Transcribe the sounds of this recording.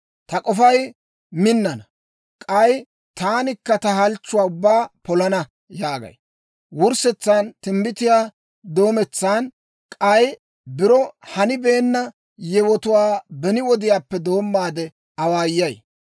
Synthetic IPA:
t̪ɐkʼɔfɐj | mɪnːɐnɐ | kʼɐj | t̪aːnɪkːɐt̪ɐɦɐlt͡ʃːʊwaːʊbːaːpɔlɐnɐ | jaːɡɐ̰j | wʊɾsɛt͡sːaːnt̪ɪmbɪt̪ɪjaː | d̪o̞ːmɛt͡sːaːn | kʼɐj | bɪɾɔhɐnɪbeːnːɐ | jɛwɔt̪ʊwaːbɛnɪwɔd̪ɪjaːpːɛd̪o̞ːmːaːd̪ɛ | ɐwaːjːɐj

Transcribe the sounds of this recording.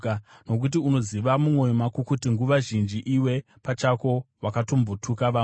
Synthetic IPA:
ano̞k̬ut̬iuno̞ziʋamumwo̞jomakukutiŋɡuʋaʒind͡ʒiʔiwe̞ | pat͡ʃako̞wakato̞mbotʰukaʋa

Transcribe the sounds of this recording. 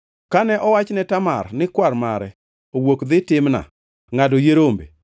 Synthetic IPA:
kanɛʔɔwat͡ʃnɛtama̰rnɪkwarmaɾɛ | owokd̪ɪtɪmna̰ | ŋadojeɾombe

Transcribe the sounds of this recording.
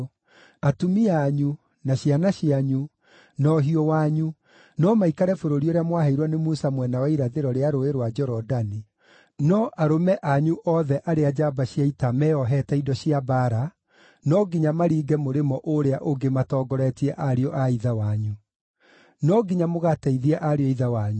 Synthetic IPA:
atumiaɲu | naɕjanaɕiaɲu | nɔɦiɔwaɲu | nɔmaikaɾɛfoɾoɾioɾeamwaɦaiɾwɔnemusamwɛnawaiɾaðeɾɔɾeaɾoeɾwad͡ʒɔɾɔdani | nɔʔaɾomɛʔaɲuʔɔðɛʔaɾead͡ʒabaɕiaitamɛɔɦɛtaidɔɕiabaɾa | nɔɡiɲamaɾiːɡɛmoɾemɔʔoɾeaʔoŋɡematɔːɡɔɾɛtiɛʔaɾeɔʔaiðawaɲu | nɔɡiɲamoɣatɛiðiɛʔaɾeɔiðawaɲu

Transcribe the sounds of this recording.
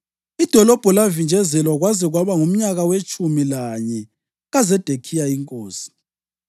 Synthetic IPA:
id̥ʱɔlɔb̥ʱɔlavind͡ʒʱɛzɛlwaɣwazɛɣwaβaŋum̩ɲaɣawet͡ʃʼumilaɲɛ | ɣazɛd̥ʱekʰijaiŋkʼoːsi̥

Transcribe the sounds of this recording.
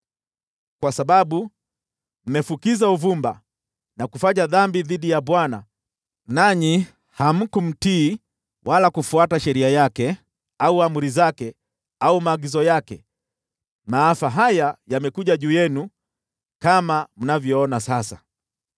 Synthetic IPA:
kwasaɓaɓu | m̩mɛfukizauvumba | nakufaɲaðambiðiɗijaɓwana̰ | naɲi | ham̩kum̩tiː | wʔalakufuataʃɛɾiajakɛ | auamuɾizakɛ | aumaːɡizɔjakɛ̰ | maːfaɦajajamɛkuʄaʄuːjɛnu | kamam̩navjɔɔnasasa̰

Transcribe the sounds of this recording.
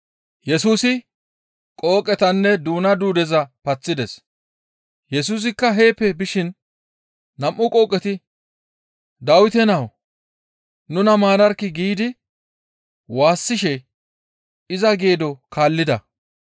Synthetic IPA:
jɛsuːsɪ | kʼo̞ːkʼːɛt̪ɐnːɛd̪uːnɐd̪uːd̪ɛzɐpɐt͡sːɪd̪ɛs | jɛs̬uːs̬ɪkːɐɦe̞ːpːɛbɪʃɪn | nɐmʔːʊkʼo̞ːkʼːɛt̪ɪ | d̪ɐwɪt̪ɛnɐw | nʊnɐmaːɾɐɾkːɪɡiːd̪ɪ | waːsːɪʃɛ | ɪzɐɡe̞ːd̪ɔkaːlːɪd̪ɐ

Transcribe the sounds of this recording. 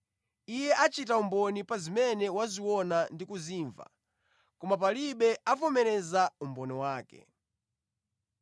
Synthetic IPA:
ijɛʔat͡ʃitaumbɔnipazimɛnɛwaziwɔnandikuziːɱva̰ | kɔmap̬aliɓɛafɔmɛɾɛzaumbɔniwaːkɛ̰

